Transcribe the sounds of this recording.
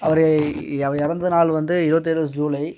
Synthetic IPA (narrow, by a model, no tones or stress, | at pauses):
ɐʋɐɾ | ɐʋɐɾɪɾɐnd̪ɐɯnaːlʋɐnd̪ɯɪɾɯʋɐt̪̬ːɪɽɐsd͡ʒuːlɐɪ